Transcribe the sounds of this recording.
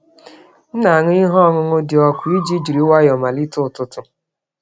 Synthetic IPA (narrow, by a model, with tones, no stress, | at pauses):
n̩˦na˨a˨ŋʊ˦i˦ɦɔ˦ŋʊ˦ŋʊ˦dɪ˨ɔ˨kʷʊ˨˦i˦d͡ʒi˦d͡ʒi˨ɾi˨˦wa˦jɔ˨ma˨li˦tʊ˦˨tʊ˦tʊ˨